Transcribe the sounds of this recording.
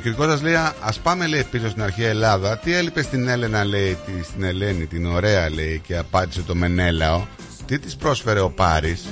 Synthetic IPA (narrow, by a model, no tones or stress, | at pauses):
ociɾiko̞sɐzleiɐɐspɐme̞le̞ipisost̪inɐɾçiɐelɐðɐt̪ie̞lipe̞st̪ine̞le̞nɐle̞it̪ist̪ine̞le̞nit̪ino̞ɾe̞ɐle̞ice̞ɐpɐnd̪ise̞t̪o̞me̞ne̞lɐo̞ | t̪it̪ispɾo̞sfe̞ɾe̞o̞pɐɾis